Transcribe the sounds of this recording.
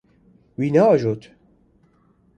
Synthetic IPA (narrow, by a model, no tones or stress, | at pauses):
wiːnaɔʒot̪